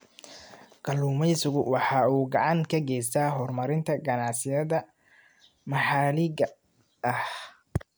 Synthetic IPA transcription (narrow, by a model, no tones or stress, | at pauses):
ɡ̥ɐluːmɛjsʊɣʊwɑħɑːuːɡɑʕɑnkʰɐɡɛjs̬t̪ʰaːɦɔrmɐɾɪnt̪ʰɐɡɐnɑʕsɪjɐðɐ | mɑħɑːlɪɣɐ | ʔɐh